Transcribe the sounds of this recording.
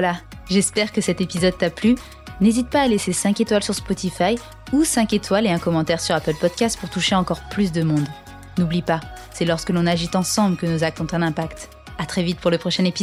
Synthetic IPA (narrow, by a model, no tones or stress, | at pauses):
vwala | ʒɛspɛʁkəsɛt̪epizɔd̪̚t̪aply | nezit̪̚paːlesesɛ̃ket̪walsyʁspɔt̪ifaj | usɛ̃ket̪waleɛ̃kɔmɑ̃t̪ɛʁsyʁapœlpɔd̪̚kʲast̪̚puʁt̪uʃeɑ̃kɔʁplys̬d̪əmɔ̃d̪ | nublipa | sɛlɔʁskəlɔ̃naʒit̪ɑ̃sɑ̃blkənuzak̚t̪ɔ̃t̪ɛ̃nɛ̃pakt̪ | at̪χɛvit̪̚puʁləpχɔʃɛnepiz